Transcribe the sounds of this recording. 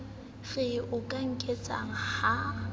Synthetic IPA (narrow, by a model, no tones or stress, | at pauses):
ɣɪʔʊkʼaŋ̩kʼet͡sʼa̰ŋ̩ha